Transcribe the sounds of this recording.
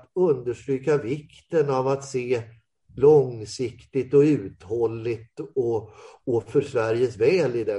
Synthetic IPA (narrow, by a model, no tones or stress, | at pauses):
t̪ɵnd̪əʂʈɾyːkavɪkt̪ənavat̪seː | lɔŋsɪkt̪ɪt̪ɔʉ̟ːt̪hɔlːɪt̪ɔɔfœʂvæɾjəsvɛːlɪd̪ɛ